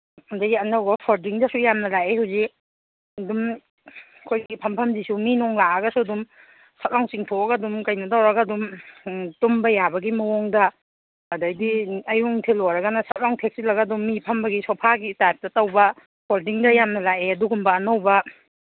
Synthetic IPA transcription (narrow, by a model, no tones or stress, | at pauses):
undaɡiɐnawɡɐpʰɔɾdiŋdɐsujamnɐlaʔehawzik | ɐdum | kʰojɡipʰɐmpʰɐmzisuminɔŋlaɐɡɐsuɐdum | sat̚ɾawŋsiŋtʰoɡadumkajnɐtawɾɐɡadumtumbɐjabɐɡimɐwɔŋdɐ | ɐdajdiɐjuŋtʰelɔɾɐɡanɐsɐt̚ɾawŋtʰek̚silɐɡadumːipʰɐmbɐɡisɔwpʰaɡitajp̚tɐtɐwbɐ | pʰɔɾdiŋdɐjamnɐlajeɐduɡumbɐːnawbɐ